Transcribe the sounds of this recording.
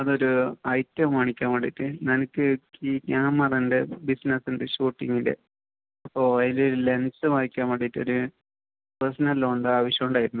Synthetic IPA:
ɐðo̞ɾuɐjtːɐmʋɐɳikʲːaːmɐɽḛjitːɨnɐnɨkːɨkikaːmːɐrɐndebisnɐsindeɕuːʈːiŋɡindḛ | ɐpːoiloɾle̞nsɨmɐɳikʲːaːmɐɽejitːɨoɾu | prɐsnɐlːoɳɖɨaːʋɐɕjɐmuɳɖaːjiɾunːu

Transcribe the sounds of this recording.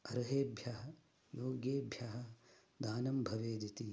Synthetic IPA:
ɐɾɐɦeːbʱjaɦɐ | joːɡjeːbʱjaɦɐ̆ | d̪aːnɐmbʱɐʋeːd̪it̪i

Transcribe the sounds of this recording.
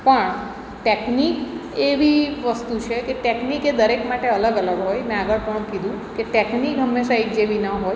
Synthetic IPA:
pəɳ | ʈeknikeʋiʋəst̪ut͡ʃʰekeʈekniked̪əɾekmaʈeələɡələɡɦojmɛ̃aɡəɭpəɳ̃kid̪ʱũkeʈeknikɦəmːeʃaekd͡ʒeʋinəɦoj

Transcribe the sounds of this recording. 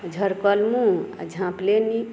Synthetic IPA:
d͡ʒʱəɾkəlmũa̰d͡ʒʱãpleni

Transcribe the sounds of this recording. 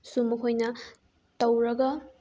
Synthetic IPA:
sumɐkʰojnɐ | tɐwɾɐɡɐ

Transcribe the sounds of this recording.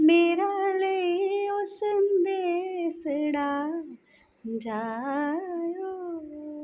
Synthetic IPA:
meːɾaləiosənd̪esəɽaː | d͡ʒaː | joː

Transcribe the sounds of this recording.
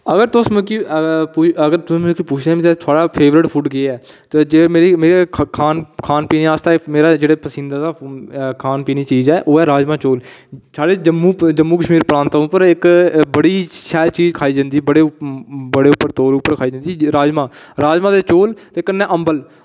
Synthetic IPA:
əɡəɾt̪ʊsmɛ̃kipuːəɡəɾt̪ʊsĩmɛ̃kipuːt͡ʃʰd̪ẽːmĩt̪et̪ʰaːɽaːpʰeːʋɾəʈpʰuːʈɡɪeɛː | t̪ed͡ʒemeːɾimeːɾekʰaːnkʰaːnpiːniaːst̪ameːɾaːd͡ʒeːɽeːpəsɪ̃nd̪aːd̪aːkʰaːnpiːniːt͡ʃiːzɛːʔoːɛːɾaːd͡ʒmaːt͡ʃoːlsaːɖeːd͡ʒəmːũːd͡ʒəmːuːkəʃmiːɾpɾãːnt̪aʊpːəɾɪkbəɽiːʃɛːlt͡ʃiːzkʰaːiːd͡ʒãːnd̪iːbəɽeːbəɽeːʊpːəɾt̪oːɾʊpːəɾkʰaːiːd͡ʒãːnd̪iiɾaːd͡ʒmãːɾaːd͡ʒmãːd̪eːt͡ʃoːlt̪eːkənːɛ̃ːʔəmbəl

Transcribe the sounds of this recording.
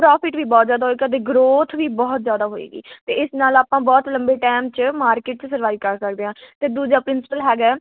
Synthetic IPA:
pɾɔːpʰɪʈʋiːbɔːt̪zjaːd̪aːɦoeːɡaːt̪̬eːɡɾoːt̪ʰʋiːbɔːt̪zjaːd̪aːɦoːḭːɡḭːt̪eːɪsnaːlaːpãːbɔːt̪ləmbeːʈɛːmt͡ʃəmaːɾkɪʈ̚t͡ʃəsəɾʋaːiːkəɾkəɾd̪eːɦãːt̪eːd̪uːd͡ʒaːpɾɪnsɪ̥pəlɦɛːɡɛː

